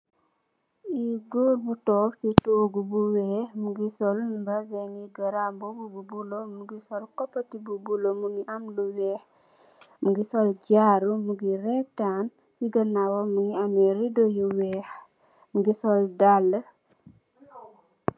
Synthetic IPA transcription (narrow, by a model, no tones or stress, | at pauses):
iɡolbutɔːksitoɡubuwɛmuɡisɔlbɐzɛŋiɡɐɾambɔɡububulomuɡisɔlkɔpːɐtibubulomuŋiʔamluwɛh | muɡisɔlɟaɾumuɡiɾɛtːan | siɡɐnawɔmuŋiamɛɾidojuwɛh | muɡisɔldalːə